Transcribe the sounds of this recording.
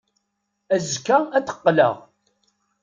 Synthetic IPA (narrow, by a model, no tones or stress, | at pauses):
æzkææt̪ə̥qːlə̰ʁ